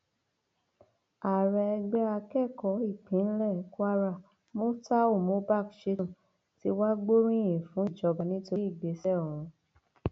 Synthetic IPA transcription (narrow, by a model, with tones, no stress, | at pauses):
a˨ɾɛ˧ɛ˧ɡ͡bɛ˦a˧kɛ˦˨kɔ˨˦i˦˨k͡pĩ˨˦n̩˦lɛ˦˨˦ku˦a˦ɾa˦˨ | mõ˦ta˦o˦˨mõ˨˦ba˦˨kʃe˦ũ˦˨ | ti˧˦wa˦ɡ͡bo˦ɾ̃ĩ˦˨jĩ˨fũ˨˦i˦˨d͡ʒɔ˧ba˨nĩ˦to˧˦i˦˨ɡ͡be˨˦sɛ˦ɔ˨ɾ̃ũ˨˧